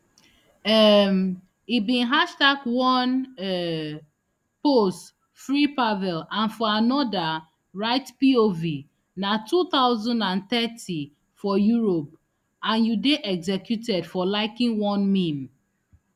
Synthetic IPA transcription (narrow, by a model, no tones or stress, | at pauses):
ɛm | ibĩnɦaʃtaɡwɔ̃nɛ | post | fɹipavɛlãnfɔanɔda | ɹaɪtpiovi | natʰut̪aʊzɔ̃ndãnt̪ɛti | fɔjuɹop̚ | ãnjudeʔɛɡzɛkjutɛdfɔlaɪkĩŋwɔ̃nmĩm